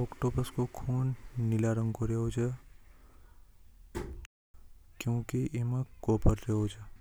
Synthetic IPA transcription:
ɔkʈobəskokʰuːnnilaɾə̃ŋɡkoɾeɦot͡ʃʰe | kjõːkiʔiməkoːpəɾɾeɦot͡ʃʰe

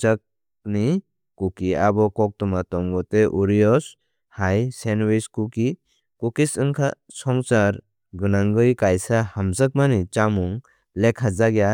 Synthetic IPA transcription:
t͡ʃək̚ | ni | kukiabɔkɔk̚tɔmatɔŋɡɔteʔuɾijɔs | hajsenwiskuki | kukisɯŋkʰa | sɔŋsaɾ | ɡɯnaŋɡɯjkajsahamsək̚manit͡ʃamuŋ | lekʰːad͡ʒaɡja

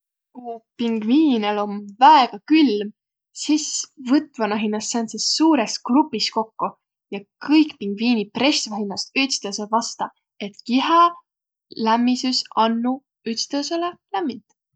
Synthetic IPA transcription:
kupiŋɡviːnelo̞mvæeɡ̥ɑkylm | sisvɤt̪ːˑvɑnɑɦinːɑst̪sensessuːɾe̞skrupːˑist̪ko̞kːu | jɑkɤjkpiŋɡ̥viːnipre̞st̪vɑɦinːɑst̪yt̪st̪ɑsevɑst̪ɑ | e̞t̪kiɦe | læmːisysɑnːu | yt̪st̪eselelæmːint̪

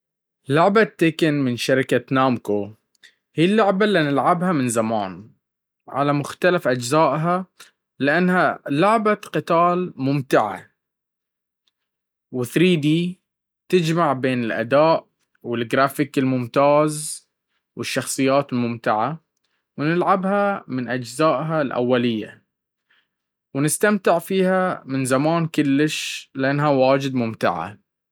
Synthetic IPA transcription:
lʊʕbat̪ːɪkɪnmɪnʃaɾɪkanaːmko | hijːlːʊʕbalːinɪlʕabhamɪnzamaːn | ʕa̰lamʊxt̪alafʔad͡ʒzaːʔɦa | lɪʔanːhalʊʕbaqɨt̪aːlmʊmt̪ɪʕa̰ | wɪθɾiːd̪i | t̪ɪd͡ʒmaʕbeːnɪlʔa̰d̪aːʔ | wɪlɡɾaːfɪkɪlmʊmt̪aːz | wɪʃːɑxsˤɨjːaːt̪ɪlmʊmt̪ɪʕa | wnɪlʕabhamɪnʔad͡ʒzaːʔɦalʔa̰wːalɪjːa̰ | wnɪst̪amt̪ɪʕfiːhamɪnzamaːnkʊlːɪʃlɪʔanːɦawaːd͡ʒɪd̪̚mʊmt̪ɪ̰ʕa̰

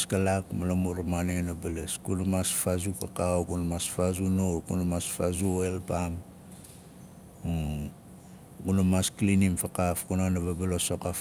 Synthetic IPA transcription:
skalakmalamuɾamanenabaleskunamasfazupakaokunamasfazunokunamasfazuoelpam | ɡunamasklinimfakafkunanaβabalosokaf

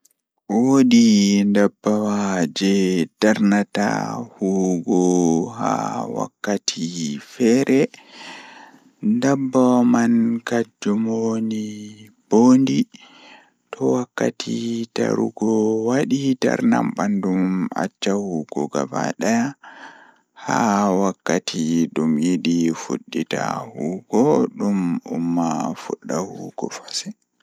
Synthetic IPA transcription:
woɗindabːawad͡ʒɛdaɾnata̰huɡɔɦa̰wa̰kːatʰifɛɾʔɛ | ndabːawmankad͡ʒɔmonib̥ondi | tʰɔwakːatʰitaɾṵɡɔwaɗitaɾnambanduma̰t͡ʃːahuɡ̥ɔɡaba̰ɗaja | hawakːatʰiɗumjidifuɗːitahuːɡɔɗumumːafuɗːahuɡ̥ɔfḁsɛ

